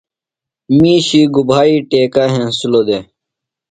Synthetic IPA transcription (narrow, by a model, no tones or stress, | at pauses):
mĩːɕiːɡubʱaːiːʈeːkaːɦẽsuloːd̪e